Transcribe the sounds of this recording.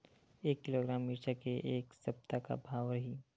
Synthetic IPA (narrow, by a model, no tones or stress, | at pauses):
eːkːɪloːɡɾaːmːiɾʃakeʔeːksɐp̚t̪aka̰bʱaːwɾəɦiː